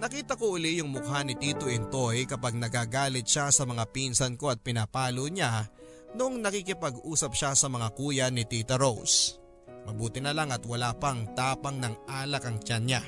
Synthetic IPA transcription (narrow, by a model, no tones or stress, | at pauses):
nɐkiːt̪ɐkoʔʊlijʊŋmʊkɦanɪt̪iːt̪oʔɛnt̪ojkɐpaɡ̚nɐɡaːɡaːlɪt̪̚ʃasɐmɐŋapiːnsɐnko̞ɐt̪̚pɪnapaːloɲa | nʊʔoŋnɐkikɪpɐɡʔuːsɐp̚ʃasɐmɐŋakuːjɐnɪt̪it̪ɐɾows | mɐbuːt̪ɪnɐlaŋɐt̪wɐlaːpɐŋt̪aːpɐŋnɐŋʔaːlɐkɐŋt͡ʃanɲa